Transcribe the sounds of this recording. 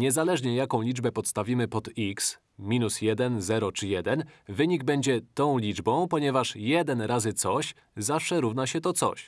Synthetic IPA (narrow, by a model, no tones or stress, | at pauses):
ɲɛzalɛʐɲɛjakɔ̃w̃lʲid͡ʐbɛpɔt̪st̪avʲimɘpɔt̪iks | mʲinusjɛd̪ɛnzɛɾɔt͡ʂɘjɛd̪ɛnvɘɲiɡbɛɲd͡ʑɛt̪ɔ̃w̃lʲid͡ʐbɔ̃w̃pɔɲɛvaʂjɛd̪ɛnɾazɘt̪sɔɕ | zafʂɛɾuvnaɕɛt̪ɔt̪sɔ̰ɕ